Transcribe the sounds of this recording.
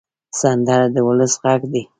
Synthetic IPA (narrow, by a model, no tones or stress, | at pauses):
sand̪aɾd̪əwʊləsɣaɡd̪i